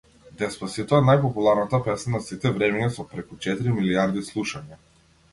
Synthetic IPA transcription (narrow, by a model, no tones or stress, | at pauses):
d̪ɛspasit̪ɔanajpɔpulˠaɾnat̪apɛsanasit̪ɛvɾɛmɛɲasɔpɾɛkut͡ʃɛt̪iɾimiliaɾd̪islˠuʃaɲa